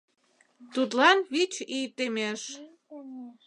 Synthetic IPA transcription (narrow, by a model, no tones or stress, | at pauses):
t̪ut̪lɑnβit͡ɕit̪emeʃ